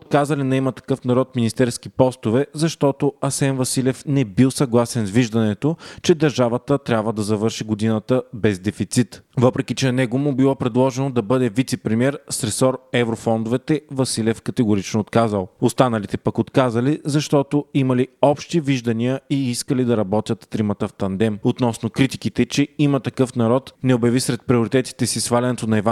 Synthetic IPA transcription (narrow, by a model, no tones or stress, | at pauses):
ot̪̚kazɐlinɛɛmɐt̪ɐ̥kɤfnɐɾɔt̪minist̪ɛɾsk̟ipɔst̪ʊvɛzɐʃt̪ɔt̪oɐsɛnvɐsilɛfnɛbilˠsɐɡlˠasɛnzviʒd̪ɐnɛt̪ot͡ʃɛd̪ɐɾʒavət̪ət̪ɾʲabvəd̪ɐzɐvɤɾʃiɡod̪inət̪əbɛzd̪ɛfit̪sit̪vɤpɾɛkit͡ʃɛnɛɡomubilˠɔpɾɛd̪lˠɔʒɛnod̪ɐbɤd̪ɛvit̪sɛpɾimiɛɾst̪ɾɛsɔɾɛvɾofɔnd̪ʊvɛt̪ɛvɐsilʲɛfkɐt̪ɛɡʊɾit͡ʃnoːt̪kazəlˠost̪anɐlit̪ɛpɐkot̪kazɐlizɐʃt̪ɔt̪oimɐliɔpʃt̪iviʒd̪ɐniəiiskəlid̪ɐɾɐbɔt̪ʲjət̪ːɾimɐt̪əft̪ɐnd̪ɛmot̪nɔsnokɾit̪ikit̪ɛt͡ʃɛimɐt̪ɐkɤfnɐɾɔt̪nɛobjɐvisɾɛt̪̚pɾioɾit̪ɛt̪i̥t̪ɛsisvalʲɛnɛt̪onɐɛva